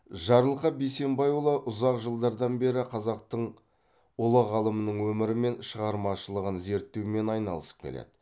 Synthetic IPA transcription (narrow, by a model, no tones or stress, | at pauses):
ʒɑɾəlˠqɑbejse̞mbɑjulˠɑʔʊzɑqʒəlˠd̪ɑɾd̪ɑnbe̞ɾɪqʰɑzɑq̚t̪əɴ | ʊlˠəʁɑlˠəmənəɴwɵmɪɾɪme̞nʃəʁɑɾmɑʃəlˠəʁənze̞ɾt̪ːewɪme̞nɑjnɑlˠəsə̥p̚kʲʰḛlḛd̪̥ɪ